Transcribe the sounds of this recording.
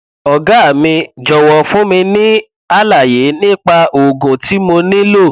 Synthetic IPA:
ɔ˨ɡa˨˦a˦˨mĩ˧d͡ʒɔ˨wɔ˨fũ˦mĩ˧nĩ˦ | a˦la˨je˨˦nĩ˦k͡pa˧o˨ɡũ˨ti˨˦mo˧nĩ˦lo˦˨

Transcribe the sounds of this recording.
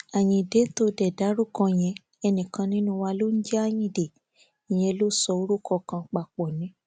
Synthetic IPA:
a˨j̃ĩ˧i˨de˨˦n̩˦to˧dɛ˨da˨˦ɾu˦˨kɔ̃˧j̃ɛ̃˧ | ɛ˧nĩ˨kã˧nĩ˦nũ˦wa˧lo˦n̩˦d͡ʒɛ˦a˦j̃ĩ˧i˨de˨ | i˨j̃ɛ̃˧lo˦sɔ˧o˧˦ɾu˦kʰɔ˧˨kã˧k͡pa˧˨k͡pɔ˨nĩ˨˦

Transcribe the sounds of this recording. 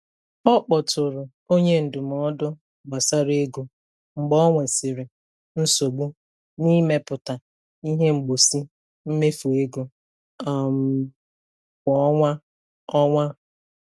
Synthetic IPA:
ɔ˦k͡pɔ˨tʊ˨ɾʊ˨ | o˦ɲe˦n̩˨dʊ˨mɔ˨˦dʊ˦˨ | ɡ͡ba˨sa˦ɾe˦ɡu˦ | ŋ͡m̩˨ɡ͡bɔ˦ŋʷe˨sɪ˨ɾɪ˨ | n̩˦so˨ɡ͡bu˦ | ni˦me˦pʊ˨ta˨ | i˦ɦe˦ŋ͡m̩˨ɡ͡bo˨si˦ | m̩˦me˦fu˨e˦ɡo˦ | a˨m˦ | kʷɔ˨ɔ˦ŋʷa˦ | ɔ˦ŋʷa˦

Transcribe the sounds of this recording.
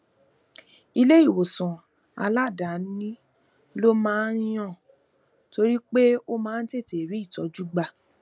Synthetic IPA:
i˧le˦i˦˨wo˨sɔ̃˨ | a̰˧la˦˨da˨˦nĩ˦ | lo˦mãː˦j̃ɔ̃˦˨ | to˧ɾi˦k͡pe˦o˦mãː˦˧˦n̩˦te˦˨te˨ɾi˨˦i˦˨tɔ̰˨˦d͡ʒu˦ɡ͡ba˦˧˨

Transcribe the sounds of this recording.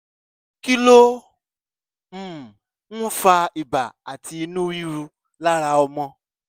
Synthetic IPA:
ki˦lo˦ | m̩˨ | ŋũ˦fa˧i˨ba̰˨a˨tʰi˧˨˦nũ˦wi˦ɾu˧ | la˦ɾa˨ɔ˧mɔ̃˦

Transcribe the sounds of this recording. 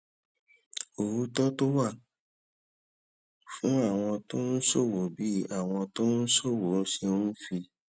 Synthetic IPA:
o˨ɾu˦tɔ˦to˦wa˦˨ | fũ˦a˦˨w̃ɔ̃˧to˦n̩˦so˦˨wo˨bi˦a˦˨w̃ɔ̃˧to˦n̩˦so˦˨wo˨˦se˧˦n̩˦fi˧

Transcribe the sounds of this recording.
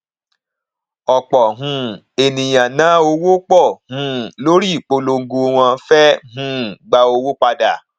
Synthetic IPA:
ɔ˨k͡pɔ˨ɦũ˧˦ | e˨nĩ˨j̃ã˨nã˨˦o˧wo˦k͡pɔ˦˨hũ˧˦lo˦ɾi˦i˨k͡po˧lo˧ŋ̩˦ɡo˧w̃ɔ̃˧fɛ˦ɦũ˦ɡ͡ba˧˦o˧wo˦k͡pa˧da˨

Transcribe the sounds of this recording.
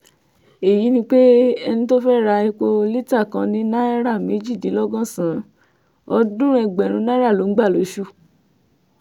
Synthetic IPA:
e˨ji˨˦nĩ˧k͡pe˦ɛ˧nĩ˦to˦fɛ˦ɾa˧i˧ko˧li˦ta˦˨kã˧nĩ˦nã˦ɛ˦ɾa˦˨me˨˦d͡ʒi˦˨dĩ˨˦lɔ˦ɡɔ̃˦˨sã˨˦ | ɔ˧˦dũ˦ɛ˧ɡ͡bɛ˨ɾ̃ũ˨˧˦nã˦ɾa˦˨lo˨˦ɡ͡ba˦˨lo˨˦ʃu˦˨

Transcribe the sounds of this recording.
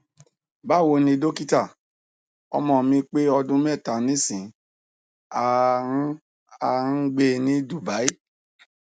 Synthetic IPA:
ba˦˨wo˧nĩ˧do˦ki˦ta˦˨ | ɔ̰˧mɔ̃˧˨mĩ˧k͡pe˦ɔ˧dũ˦mɛ˦˨ta˨nĩ˨˦sĩ˨ | a˧˦ | a˧n̩˦ɡ͡be˧˦nĩ˦du˦˨ba˨˦i˦

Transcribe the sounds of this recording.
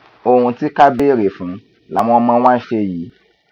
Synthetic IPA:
o˨hũ˧ti˦ka˦be˦˨ɾe˨fũ˨˦ | la˨˦m̃ɔ̃˧mã˧w̃ã˦ʃe˧ji˨˦

